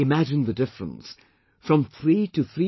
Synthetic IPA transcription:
ɪmæd͡ʒɨ̃nðɨdɪfɹə̰̃ns | fɹə̃mθɹiɾʰɨθɹi

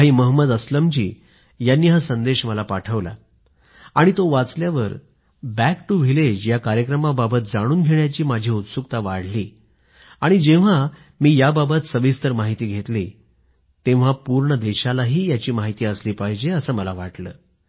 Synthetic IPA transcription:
ɦiːməɦməd̪əsləmt͡ɕḭː | janːiːɦasənd̪eɕməlapaʈʰəʋla̰ | aɽ̃it̪oʋat͡sljaʋəɾ | bækʈuʋ̤iled͡ʑjakaɾjəkɾəmababət̪̚d͡zaɽ̃uːnɡʱeɳjat͡ɕiːmad͡ʑʱiːut̪sukt̪aʋaɽ̤liː | aɽ̃id͡ʑẽʋ̤a | miːjababət̪səbist̪əɾmaɦit̪iːɡʱet̪liː | t̪ẽʋ̤apuɾɳəd̪eɕalaɦiːjat͡ɕiːmaɦit̪iːəsliːpaɦid͡ʑeəsəːməlaʋaʈlə̰ː

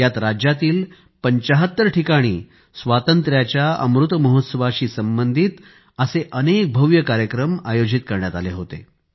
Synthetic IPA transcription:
jat̪ɾad͡ʑjat̪iːl | pəɲt͡ɕəɦət̪ːəɾʈʰikaɽ̃iː | sʋat̪ənt̪ɾjat͡ɕjaə̰mɾut̪məɦot̪səʋaɕiːsəmbənd̪ʱit̪ | əseʔənek̚bʱəʋjəkaɾjəkɾəmajod͡ʑit̪kəɾɳjat̪aleɦot̪ḛ

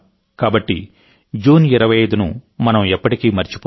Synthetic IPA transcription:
kaːbɐʈːi | d͡ʒuːniɾɐʋɐjɐjd̪unṵmɐnɐmɛpːɐʈikiːmɐɾt͡ʃi̥pː

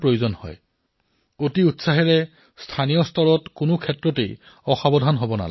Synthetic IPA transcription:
pɹojuzɔnhɔ̰j | otiutsaɦɛɹɛ | stʰanijɔstʰɔɹɔtkʊnʊkʰɛtɹɔtḛj | ɔxabɔdʱanɦobɔna̰l̰

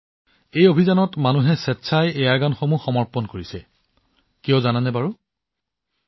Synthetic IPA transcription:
ejobʱizanɔtmanuɦɛsɛtːsʰajɛjaɹɡanxomuxɔmɔɹpɔnkoɹisɛ | kijɔzananɛbaɹu

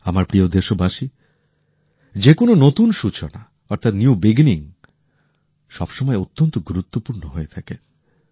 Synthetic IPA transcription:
amaɾpɾiod̪eʃobaʃi | d͡ʑekononot̪unʃut͡ɕona | ɔɾt̪ʰat̪njubiɡiniŋ | ʃɔbʃɔmɔeot̪ːont̪oɡuɾut̪ːopuɾnoɦoet̪ʰake

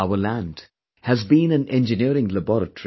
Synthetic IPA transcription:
aʊəlæ̃nd | hæzbĩnæ̃nɛ̃nd͡ʒɨniəɾɪ̃ŋləbɔɾətəɹ

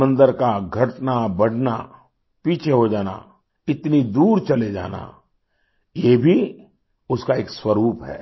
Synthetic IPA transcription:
mə̃nd̪əɾkaɡʱɐʈnabɐɽʱna̰ | piːt͡ʃʰeɦod͡ʒaːna̰ | ɪt̪nid̪uːɾt͡ʃɐled͡ʒa̰ːna̰ | jebʱi | ʊskaeːkswɐɾuːpɦɛ̰ː

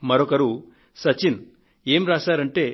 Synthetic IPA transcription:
mɐɾɔkɐɾu | sɐt͡ʃin | e̞ːmɾaːsaːɾɐɳʈe̞ː

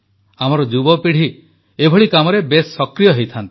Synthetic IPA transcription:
amɔɾɔd͡ʒubɔpiɽ̤i | ebʱɔɭikamɔɾebesːɔkɾijɔɦejt̪ʰant̪i̥

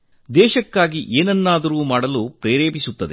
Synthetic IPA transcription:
d̪ɛːʃɐkːaːɡiʔeːnɐnːaːd̪ɐɾuːmaːɽɐlupɾeːɾeːbisut̪ːɐd̪ḛ

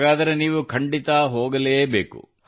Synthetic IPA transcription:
ɡaːd̪ɐɾeniːʋukʰɐɳɖit̪ɐɦoːɡɐleːbeːkṵ

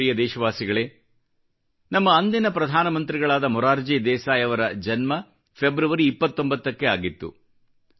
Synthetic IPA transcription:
ijɐd̪ɛːʃɐʋaːsiɡɐɭe̞ː | nɐmːɐːnd̪inɐpɾɐd̪ʱaːnɐmɐnt̪ɾiɡɐɭaːd̪ɐmɔɾaːɾd͡ʒid̪ɛːsaːjɐʋɐɾɐd͡ʒɐnmɐ | pʰebɾuʋɐɾiːpːɐt̪ːo̞mbɐt̪ːɐkːe̞aːɡit̪ːṵ

